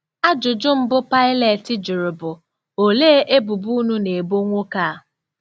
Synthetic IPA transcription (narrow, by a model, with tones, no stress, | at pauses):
a˦d͡ʒʊ˨d͡ʒʊ˦m̩˦bʊ˦pa˦ɪ˦le˨tɪ˨d͡ʒʊ˨ɾʊ˨bʊ˨ | o˨leː˦ʔe˦bʊ˨bu˦nu˦ne˨bo˦ŋʷo˦kaː˦˨